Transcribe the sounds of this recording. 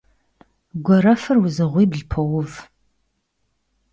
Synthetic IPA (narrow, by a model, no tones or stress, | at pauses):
ɡʷɔɾɐfɨrwʊzɨʁʷiːbɮpʰɐɔwʊv